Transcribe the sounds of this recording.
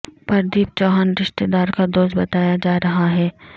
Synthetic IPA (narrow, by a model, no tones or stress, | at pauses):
pɐɾd̪iːp̚t͡ʃɔːɦanɾɪʃt̪eːd̪aːɾkad̪oːʃbɐt̪aːjad͡ʒaːɾɐɦaɦɛː